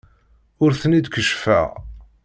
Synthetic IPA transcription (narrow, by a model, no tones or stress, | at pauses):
ʊɾθənid̪kəʃfæ̰